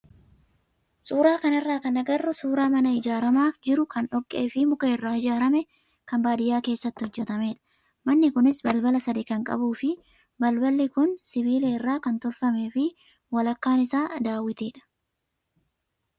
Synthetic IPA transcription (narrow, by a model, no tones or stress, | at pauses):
sʼuːɾaːkɐnɛrːaːkɐnɐɡɐrːɔsuːɾaːmɐnɐɪd͡ʒaːɾɐmaːfd͡ʒɪɾʊkɐnɔkʼːe̞̰ːfɪmʊkeːrːaːɪd͡ʒaːɾɐmɛ | kɐmbaːd̪ɪjaːke̞ːsːɐt̪ːɪhɔd͡ʒːɛt̪ɐme̞ːᶑɐ̥ | mɐnːɪkʊnɪsbɐlbɐlɐsɐd̪ɪkɐŋkʼɐ̰buːfɪ | bɐlbɐlːɪkʊnsɪbiːleːɪrːaːkɐnt̪ɔlfɐmeːfɪ | wɐlɐkːaːnɪsaːd̪aːwːɪt̪eːᶑɐ̥